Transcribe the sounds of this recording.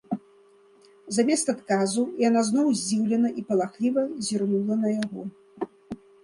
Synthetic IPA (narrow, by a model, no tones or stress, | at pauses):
zamʲɛst̪at̪kazujanaznɔwzʲd͡zʲiwlʲɛnɐʔipɐlˠaxlʲivɐzʲirnulˠɐnɐjaɣɔ